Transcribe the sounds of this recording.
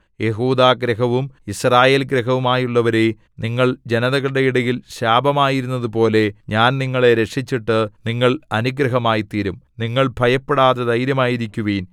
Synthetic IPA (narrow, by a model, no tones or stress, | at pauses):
je̞ɦuːd̪aːɡɾɐɦɐʋumisraːje̞ːlɡɾɐɦɐʋumaːjuɭːɐʋɐɾe | niŋːɐɭd͡ʑe̞nɐðɐɣɐɭɽeiɽɐjilɕaːbʱɐmaːjiɾunːɐðupo̞ːle̞ɲaːnniŋːɐɭe̞ɾe̞ʈʂit͡ɕːiʈːɨniŋːɐɭɐnuɡɾɐɦɐmaːjit̪iːɾumniŋːɐɭbʱɐjɐpːeɽaːðed̪ɐjɾjɐmaːjiɾikʲːuʋiːn